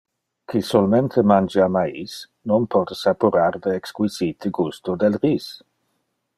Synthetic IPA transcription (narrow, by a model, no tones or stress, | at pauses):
kʰisolmẽnt̪ʰemand͡ʒamais | nonpʰɔd̪sapuɾaɾd̪eːkskwizit̪ʰeɡust̪od̪elʁis